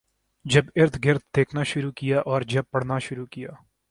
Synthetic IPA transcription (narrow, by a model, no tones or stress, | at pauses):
d͡ʒɐbɪɾt̪ʰɡɪɾt̪̚d̪eːkʰnaːʃʊɾuːkɪjaːʔɔːɾd͡ʒɐb̚pɐɽ̤naːʃʊɾuːkɪjaː